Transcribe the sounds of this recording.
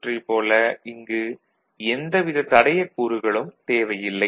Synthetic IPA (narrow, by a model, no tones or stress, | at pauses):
ripoːlɐɪŋɡɯ | ɛnd̪ɐʋɪðɐt̪ɐɽɐjɐkuːɾɯɣɐɭɯmt̪eːʋɐjɪlːɐ